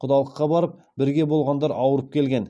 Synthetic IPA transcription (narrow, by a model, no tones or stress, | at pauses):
qʰʊd̪ɑlˠəqːɑbɑɾəp̚ | bɪɾɡʲe̞bo̞lˠʁɑnd̪ɑɾɑwəɾəp̚kʲʰe̞lɡʲe̞n